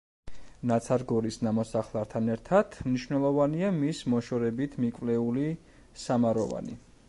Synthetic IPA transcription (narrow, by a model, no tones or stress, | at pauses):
nat̪sʰaɾɡɔɾisnamɔsaχlˠaɾt̪ʰanɛɾt̪ʰat̪ʰmniʃvnɛlˠɔvaniamismɔʃɔɾɛbit̪ʰmikʼvlɛuli | samaɾɔva̰nḭ